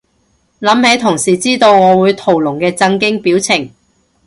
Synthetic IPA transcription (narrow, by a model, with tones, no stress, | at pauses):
lɐ˨˥mhe˨˥jt̪ʰʊ˨˩ŋsiː˨˩t͡siː˥t̪o˧wŋɔː˨˧wuː˨˧jt̪ʰo˨˩wlʊ˨˩ŋkɛː˧t͡sɐ˧ŋkɪ˥ŋpiː˨˥wt͡sʰɪ˨˩ŋ